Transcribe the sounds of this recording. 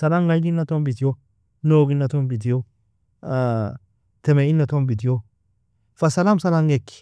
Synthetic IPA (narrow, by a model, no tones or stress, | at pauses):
salaŋɡajɡinːatombit̬ijo | noːɡinːatombit̬ijo | a | temeinːatombit̬ijo | fasalamsalaŋɡekːi̥